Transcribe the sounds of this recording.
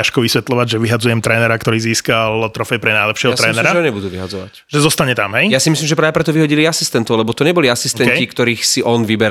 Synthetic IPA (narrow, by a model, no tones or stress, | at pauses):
aʃkɔʋisʋɛt̪lɔʋaɟʒɛʋiɦad͡zujɛmt̪ɾɛːnɛɾakt̪ɔɾiːziːskalt̪ɾɔfɛjpɾɛnajlɛpʃɪɛɦɔat̪ɾɛːnɛɾaʒɛɦɔɲɛbud̪uːʋiɦad͡zɔʋa̰cʒ̥ɛzɔst̪aɲɛt̪amɦɛjjasimislimʒɛpɾaːʋɛpɾɛt̪ɔʋiɦɔɟiliasi̥st̪ɛnt̪ɔʊlɛbɔt̪ɔɲɛbɔliasist̪ɛncikt̪ɔɾiːxsiʔɔnʋibɛɾ